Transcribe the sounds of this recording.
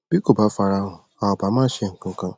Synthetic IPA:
b̥i˦ko˨ba˦fa˨ɾa˦ɦʊ̃˨ | a˨ɔ˨ba˨˦mãː˦ʃe˦˨ŋ̩˨kʊ̃˦ŋ˦kã˦

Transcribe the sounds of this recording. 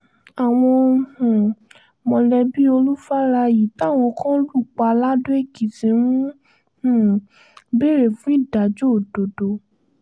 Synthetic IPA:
a˨w̃ɔ̃˧hũ˨ | mɔ̃˨˧lɛ˧bi˦o˧lu˦fa˦ɾa˧ji˨ta˦˨w̃ɔ̃˧kã˦lu˦˨k͡pa˧la˦do˦e˦˨ɡi˨tĩ˨˦w̃ũ˦ | hũ˨ | be˦˨ɾe˨fũ˦i˦˨da˨d͡ʒo˦˨do˨do˧

